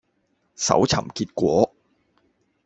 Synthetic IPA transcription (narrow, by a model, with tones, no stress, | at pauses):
sɐ̰˨˥wt͡sʰɐ̰˨˩mkiː˧t̚kʷɔː˨˥